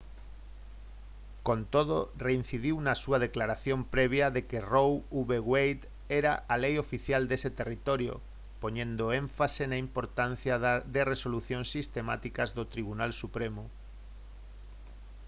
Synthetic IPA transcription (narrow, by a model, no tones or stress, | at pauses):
kont̪oðorein̟θiðiwnasuɐð̞eklaɾaθjompɾeβ̞jaðekerowuβeɣwejt̪ | ɛɾaʔalejofiθjald̪eset̪erit̪oɾjo̰ | poɲẽnd̪oẽɱfasenaimpoɾt̪an̟θjad̪eresoluθjõnsːist̪emat̪ikazðot̪ɾiβ̞unalsupɾemʊ